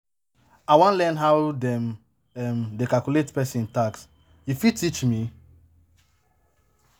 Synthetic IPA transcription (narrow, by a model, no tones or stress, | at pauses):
awãnlɛnɦawdɛm | ɛmdekalkuletpɛsĩntaks | jufitit͡ʃmi